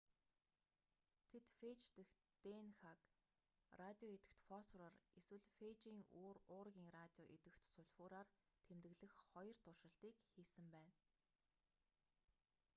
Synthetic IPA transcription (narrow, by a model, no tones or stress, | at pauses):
t̪ʰet̪fet͡ɕt̪ɘ̆x | t̪enxak | rat̪ʲiɔet̪ɘ̆kt̪fɔsrareswɘ̆ɮfet͡ɕiːŋoːrʊːrɣʲiːŋrat̪ʲiɔʔet̪ɘ̆kt̪sʊɮʲfʊːɾaːrt̪ʰemt̪ɘ̆ɣɮɘ̆xχɔjɞ̆r̥t̪ʰʊrʃə̆ɬt̪iːkxiːsɘ̆mpæːn